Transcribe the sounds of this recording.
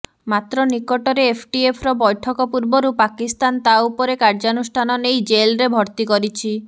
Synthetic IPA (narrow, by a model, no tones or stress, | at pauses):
mat̪ɾɔnikɔʈɔɾeːpʰʈiepʰɾɔbɔjʈʰɔkɔpuɾbɔɾupakist̪ant̪aupɔɾekaɾd͡ʒanusʈʰanɔnejd͡ʒelɾebʱɔɾt̪ikɔɾit͡ʃʰi